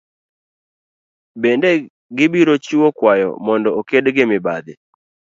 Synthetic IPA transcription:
bende | ɡɪbiɾot͡ʃuwokwajɔ̰mɔndɔokedɡɪmɪbad̪ɪ

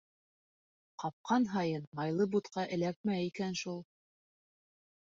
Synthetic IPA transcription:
qɑp̚qʰɑnɦɑjɤnmɑjlˠɤbut̪qɑʔɘ̆læk̚mæikænʃulˠ

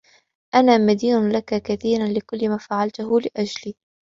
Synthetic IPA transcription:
ʔanaːmad̪iːnʊlakakaθiːɾanlɪkʊlːɪmaːfaʕalt̪ʊɦʊlɪʔad͡ʒliː

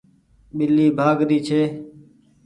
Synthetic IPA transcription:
ɓɪlːiːbʱaːɡd̪iːt͡ʃʰeː

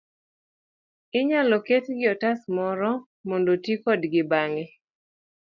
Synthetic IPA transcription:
ɪɲalɔketɡɪɔtasmɔɾɔ | mondotikɔdɡɪbaŋe

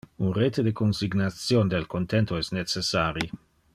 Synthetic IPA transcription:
unret̪ed̪ekonsiɡnat̪sjoːnd̪elkont̪ent̪oɛsnet͡sesaːɾi

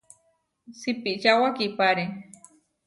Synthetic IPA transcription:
sipiʔt͡ʃawakipaɾi

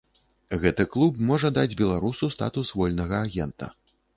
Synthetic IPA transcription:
ɣɛt̪ɨklˠupmɔʐɐd̪ad͡zʲbʲɛlˠaɾusust̪a̰t̪usvɔlʲnɐɣɐaɣʲɛnt̪ɐ̰

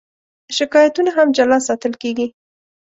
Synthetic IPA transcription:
ʃɪkɑjat̪unaɦamd͡ʒalɑsɑt̪əlkeɡi

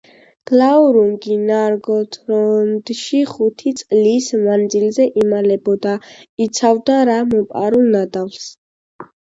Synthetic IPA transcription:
ɡ̥lauɾuŋɡinaɾɡɔt̪ʰɾɔnd̪ʃiχut̪ʰit̪sʼlismand̪zilzɛʔimalɛbɔd̪ait̪sʰavd̪aɾamɔpʼa̰ɾulnad̪avls

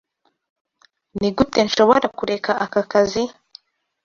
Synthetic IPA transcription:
niɡute̞nʃo̞βoɾakuɾe̞kaʔakakazi

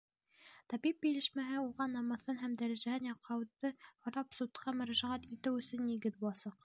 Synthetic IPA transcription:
t̪ɑbip̚bilɘ̆ʃmæɦɘuʁɑnːɑmɤ̆θɤnɦæmd̪æɾæʒæhɘnjɑqːɑwðɤhŏɾɑpsut̪qʰɑmɵ̆ɾæʒæʁæt̪it̪ɘwɵ̆sɵ̆nːiɡɘðbulˠɑsɑq

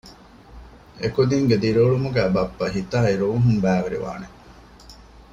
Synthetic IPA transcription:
ekod̪iŋɡed̪iɾoːɭumuɡæːbɐpːɐɦit̪aːiɾuːɦumbæːʋeɾḭʋa̰ːne

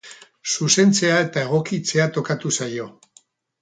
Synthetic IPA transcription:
suse̞nt͡se̞ae̞t̪ae̞ɣ̞o̞kit͡se̞at̪o̞kat̪usajo̞

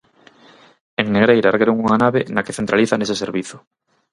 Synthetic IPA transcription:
eŋneɣɾejɾaɾɣeɾoŋuŋanaβenakeθent̪ɾaliθaneseseɾβiθʊ̥

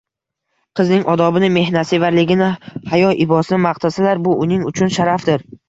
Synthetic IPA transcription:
qʰɨznɪŋɒd̪ɒbɪnɪme̞hnasɪvaɾlɪɡʲɪnɪhajɒʔɪbɒsɪnɪmaq̚t̪ʰasalaɾbʊʔʊnɪŋʊt͡ʃʰʊnʃaɾafd̪ɪɾ

